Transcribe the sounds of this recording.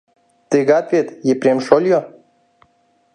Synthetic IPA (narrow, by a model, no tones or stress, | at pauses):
t̪ɨɡat̪vʲet̪jepɾʲemʃolʲjo